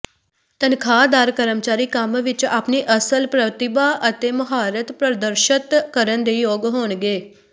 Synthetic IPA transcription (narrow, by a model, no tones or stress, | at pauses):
t̪ənkʰaːd̪aːɾkəɾəmt͡ʃaːɾiːkəmʋɪt͡ʃaːpniːʔəsəlpɾət̪ɪbaːʔət̪eːməɦaːɾət̪pɾəd̪əɾʃət̪kəɾənd̪eːjoːɡɦoːnɡeː